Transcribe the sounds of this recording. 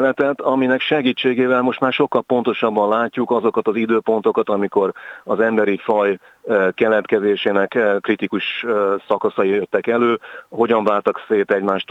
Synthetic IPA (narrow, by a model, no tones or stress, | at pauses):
lɛt̪ɛt̪ɒminɛkʃɛɡiːt͡ʃːeːɡeːvɛlmo̞ʃt̪maːrʃo̞kːɒlpo̞nt̪o̞ʃɒbːɒnlaːcːukɒzo̞kɒt̪ɒzid̪øːpo̞nt̪o̞kɒt̪ɒmiko̞ɾɒzɛmbɛɾifɒj | kɛlɛt̪kɛzeːʃeːnɛkkːrit̪ikuʃsɒkɒsɒijøt̪ːɛkɛløːɦo̞ɟɒɱvaːlt̪ɒkseːt̪ɛɟmaːʃt̪